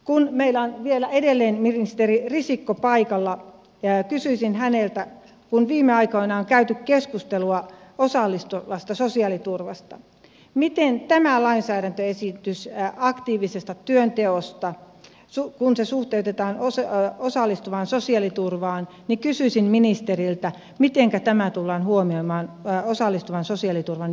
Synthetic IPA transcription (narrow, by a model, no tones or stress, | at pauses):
kunmeilːæonʋielæedelːeːnmirist̪eririsikːopɑikɑlːɑ | kysyisinhænelt̪æ | kunʋiːmːeɑikoinɑoŋkæyt̪ykkeskust̪eluɑosɑlːist̪ulːɑst̪ɑsosiɑlit̪urʋɑst̪ɑ | mit̪ent̪æmælɑinsæːɾænt̪øesint̪ysɑkt̪iːʋisest̪ɑt̪yønt̪eost̪ɑ | sukunsesuht̪eut̪et̪ɑːnososɑlːist̪uʋɑnsosiɑlit̪urʋɑːn | nikysyisinminist̪erilt̪æ | mit̪eŋkæt̪æmæt̪ulːɑːnhuomioimɑːnosɑlːist̪uʋɑnsosiɑlit̪urʋɑn